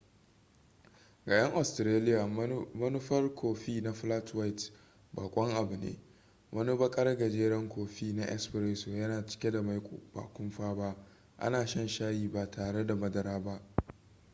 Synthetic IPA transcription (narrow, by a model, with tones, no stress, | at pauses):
ɡa˨j̰ɐ˦ŋʔa˨stɾeː˦lɪ˦ja˨mɐ˦nʊ˦ɸɐ˦rkʰʷoː˨ɸiː˦na˦ɸla˦twa˦jt | baː˨kʷʼɔ˦ŋʔa˨bʊ˨nḛː˦ | wʔɐ˦nu˦bɐ˦kʼɐ˦rɡɐ˨d͡ʒeː˦ɾɐ˦ŋkʷoː˨ɸiː˦na˦ʔɛ̰˦sbɪ˨ɾeː˦soː˨jɐ˦naː˨t͡ʃɪ̥˦kʲe˦da˨ma˨jkʷʼo̰˨ba̰ː˨kʷʊ˦mɸaː˦ba˦ʔ | ʔa̰˦naː˨ʃɐ˦nʃaː˦jiː˦ba˨tʰaː˨ɽe˦da˨mɐ˦dɐ˦ɾaː˦ba˦ʔ